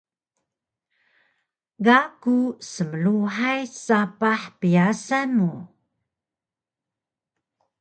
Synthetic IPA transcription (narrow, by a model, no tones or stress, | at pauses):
ɡakusəməluħajsapaħpijasanu